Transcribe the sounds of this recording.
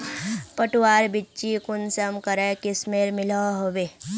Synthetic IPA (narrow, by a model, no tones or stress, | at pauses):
pəʈuwaːɾbɪtːt͡ʃikʊnsəmkəɾɛkɪsmeɾmɪlaɦoʋeː